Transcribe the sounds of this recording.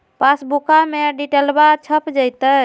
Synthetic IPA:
pasbukameɖiʈelbat͡ʃʰəpd͡ʒəjt̪ə

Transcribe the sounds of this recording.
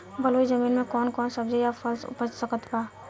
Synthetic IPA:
bəloid͡ʒəminmẽkɔnkɔːnsəbd͡ʒəjapʰəlsʊ̰pəd͡ʒsəkət̪baː

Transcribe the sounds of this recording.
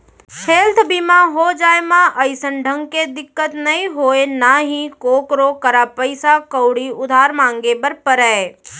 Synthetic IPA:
kʰeːlt̪ʰbimãɦod͡ʒaːemãʔəɪsənɖʱə̃ŋɡked̪ɪkːət̪nɐɦĩɦoːenaɦĩkoːkɾokəɾapəɪsakəwɽiʊd̪ʱaːɾmãːŋɡebəɾpəɾɛe

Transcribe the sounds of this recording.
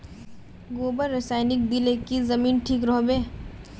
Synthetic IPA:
ɡoːbəɾːesaːɪnɪk̚d̪ɪlekizɐmiːnʈʰiːkɾɔɦbeː

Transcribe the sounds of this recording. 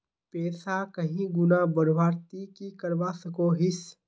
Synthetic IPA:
peːsakɐɦĩɡʊnabəɾʋaːɾt̪ikikɐɾʋaːsɐkoɦɪs

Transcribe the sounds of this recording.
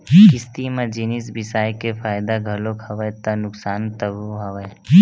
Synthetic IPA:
kɪst̪imẽd͡ʒinisbɪsaːjkepʰaːjd̪aɡʱɐlokʰəʋət̪anʊksaːnt̪əbuɦɐʋə

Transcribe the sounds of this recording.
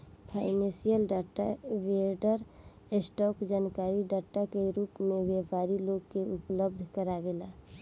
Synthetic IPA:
pʰaːɪnẽsijəlɖaːʈa̰ʋieɖəɾ | esʈɔːkd͡ʒaːnkaːɾiɖaːʈakeɾuːpmẽʋepaːɾiloɡkeʊpləb̚d̪ʱkəɾaʋelaː

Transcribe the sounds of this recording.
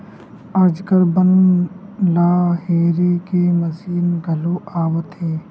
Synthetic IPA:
əɾd͡ʒkəɾbən | laːɦeːɾeːkeːməziːnɡʱəloːaːʋət̪eː

